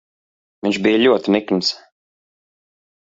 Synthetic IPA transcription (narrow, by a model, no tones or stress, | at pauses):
viɲʃbijlʲuɔt̪inikms